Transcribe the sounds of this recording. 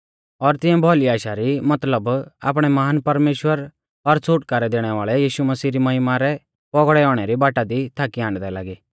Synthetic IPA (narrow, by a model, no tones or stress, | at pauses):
ɔɾt̪ɪ̃ɛ̃bʱɔliaːʃaɾimɐt̪ləba̰ːp̬ɽ̃ɛmaːnpɐɾmeːʃwəɾ | ɔɾt͡sʰuʈkaːɾɛd̪eːɽ̃ɛʋaːɭɛjiːʃumɐsiːɾimɐɦɪmaɾɛ | pɔɡɽɛɔːɽ̃ɛɾibaːʈad̪it̪ʰaːkiãːɳɖd̪ɛla̰ːɡiː